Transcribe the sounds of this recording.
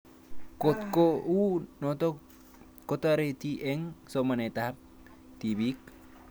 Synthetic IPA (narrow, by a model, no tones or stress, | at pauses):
kot̪kounot̪o | kot̪aɾet̪iʔeŋsomanet̪ap̚ | t̪ibik